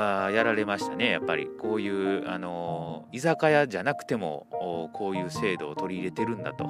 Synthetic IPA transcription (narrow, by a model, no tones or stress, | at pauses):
ajaɾaɾe̞maɕi̥t̪ane̞ja̰pːa̰ɾʲḭko̞ːjɯ̟ːano̞izakajaʑanakɯ̟̥t̪e̞mo̞̰ːkʰo̞ːjɯ̟ːse̞ːd̪o̞ːt̪o̞ɾʲiːɾe̞t̪e̞ɾɯ̟̃nd̪a̰t̪o̞̰